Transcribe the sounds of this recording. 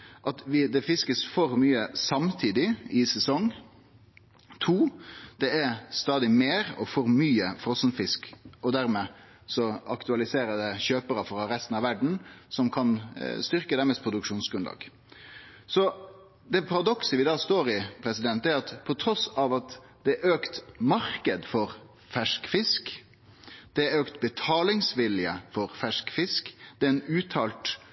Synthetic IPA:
ʔɑt̪ʋɪd̪ɛfɪskəsfɔɾmyːəsɑmt̪ʰiːd̪ɪɪsɛsɔŋ | t̪ʰuːd̪̥ɛæɾst̪ɑːd̪ɪmeːɾɔfɔɾmyːəfɾɔsnfɪskɔd̪æɾmɛ | sɔɑkt̪ʉɑlɪseːɾəd̪ɛɕøːpəɾəfɔɾɑɾɛst̪nɑʋæɖɳ̩sɔmkʰɑnst̪ʏɾkəd̪æmɛst̪pʰɾʊd̪ʉkʂuːnsɡɾʉnlɑ̰ːɡ̥ | sɔ | d̪ɛpʰɑɾɑd̪ɔksəʋɪd̪ɑːst̪oːɾɪpʰɾɛsɪd̪ɛnt̪æɾɑt̪pʰɔt̪ʰɾɔsɑʋɑt̪ | d̪̥ɛʔøːkt̪mɑɾkəd̪fɔɾ | fæʂkfɪsk | d̪̥ɛøːkt̪bət̪ʰɑːlɪŋsʋɪljəfɔɾfæʂkfɪskd̪̥ɛɛnʉːt̪ʰɑlt̪

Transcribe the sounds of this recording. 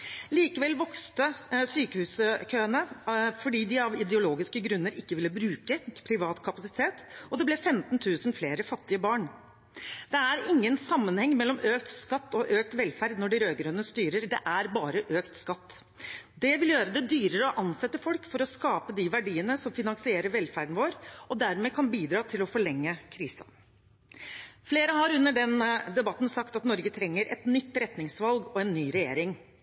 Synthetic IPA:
liːkəʋɛlʋɔkst̪əsyːkəhʉːsəkʰøːənəfɔɖiːd̪ɪɑʋɪd̪ɛʊloːɡɪskəɡɾʉnːəɾɪkːəʋɪlːəbɾʉːkəpʰɾɪʋɑːt̪kʰɑpɑsɪ̥t̪ʰeːt̪ɔd̪ɛblɛfɛmt̪nt̪ʰʉːsənfleːɾəfɑt̪ːɪəbɑːɳ | d̪̥ɛæɾɪŋːənsɑmːənhɛŋːmɛlːɔmøːk̚t̪skɑt̪ːɔʔøːk̚t̪ʋɛlfæɾd̪nɔɖɪɾøːɡɾøːnəst̪yːɾəɾd̪ɛʔæɾbɑːɾəʔøːkt̪skɑt̪ː | d̪ɛʋɪljøːɾəd̪ɛd̪yːɾəɾəɔʔɑnsɛt̪ːəfɔlkfɔɾɔskɑːpəd̪ɪʋæɖiːənəsɔmfɪnɑŋsɪeːɾəɾʋɛlfæɖɳ̩ʋoːɾɔd̪æɾmeːkʰɑnbiːd̪ɾɑːt̪ʰɪlɔfɔɭɛŋːəkʰɾiːsɑ̰ | fleːɾəhɑɾʉnːəɖɛnd̪ɛbɑt̪ːn̩sɑkt̪ɑt̪nɔɾɡət̪ʰɾɛŋːəɾɛ̰t̪nʏt̪ːɾɛt̪nɪŋsʋɑlɡɔɛnːyːɾɛjḛːɾɪŋ

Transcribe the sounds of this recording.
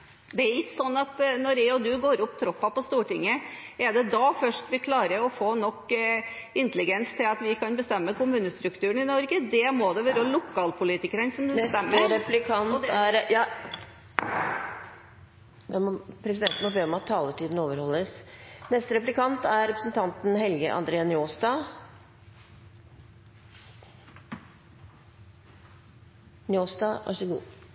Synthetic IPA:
d̪ɛæɾlɪt̪ːsɔnːɑt̪nɔɾɛɔd̪ʉɡoːɾʊpːt̪ʰɾɔpːɑpɔst̪uːʈɪŋːəɛd̪ɛd̪ɑfœʂʈʋɪkʰlɑːɾəɾɔfoːnɔkːɪnt̪əlɪɡɛnst̪ʰɪlɑt̪ʋɪkɑnbəst̪ɛmːəkʊmʉːnəst̪ɾʉkt̪ʰʉːəɳɪnɔɾɡəd̪ɛmɔd̪ɛʋɑːɾlʊkʰːɑːlpʰʊliːt̪ɪkəɾənsɔmd̪sst̪ɛmːəɾɛplɪkʰɑnɔtd̪æɾjɑː | ɛmɔpʰɾɛsɪd̪ɛnt̪nmɔbeːɔmɑt̪ʰːɑːləʈiːd̪n̩oːʋəɾhɔlːəsnɛst̪əɾɛplɪkʰɑnt̪æɾɾɛpɾəsn̩t̪ʰɑnt̪n̩ɦɛlɡəʔɑ̰nd̪ɾeːɑnjoːst̪ɑ | nɪoːsd̪ɑʔɑ̰ʂɛlṵː

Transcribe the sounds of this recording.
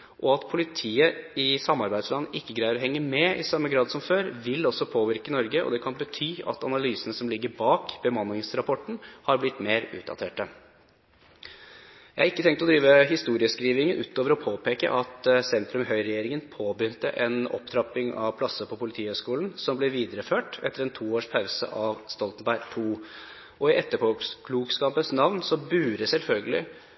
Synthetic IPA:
ʔɔɑt̪pʰʊlɪt̪ʰiːəɪsɑmːɑɾbæɪd̪slɑnːəʔɪkːəɡɾæʏəɾɔɦɛŋːəmɛɪsɑmːəɡɾɑːd̪sɔmføːɾʋɪlɔsːɔpʰoːʋɪɾkənɔɾɡəʔɔ̰d̪ɛkʰɑnbət̪ʰyːɑ̰t̪ɑnɑlyːsənəsɔmlɪɡːəɾbɑːkb̥əmɑnːɪŋsɾɑpʰɔʈn̩hɑɾblɪt̪ːmeːɾʉ̰ːt̪̚d̪ɑ̰t̪ʰeːʈə | jæɪhɑɪkːət̪ʰɛŋkt̪ɔd̪ɾiːʋəɦɪst̪uːɾɪəskɾiːʋɪŋənʔʉːt̪oːʋəɾɔpʰoːpeːkə̰ʔɑt̪sɛnt̪ɾʉmɦœʏɾɛjeːɾɪŋənpʰoːbʏnt̪ə̰ʔɛnɔ̰pt̪ʰɾɑpɪŋɑ̰ʋpʰlɑsːəpʰɔpʰʊlɪt̪ʰiːhœʏskuːln̩sɔmblɛʋiːd̪əɾəføːʈɛ̰t̪ːəɾɛnt̪ʰuːoːʂpʰɑʉsə̰ʔɑʋst̪ɔlt̪nbæɪɡt̪ʰuː | ʔɔɪʔɛt̪ːəpʰɔkʰluːkskɑmpəsnɑʋnsɔbʉːɾəsɛlfœlɡəlɪ̰

